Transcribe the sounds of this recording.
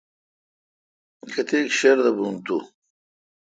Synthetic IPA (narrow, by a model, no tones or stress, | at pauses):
kɐt̪eːkɕeɾd̪ɐbunt̪u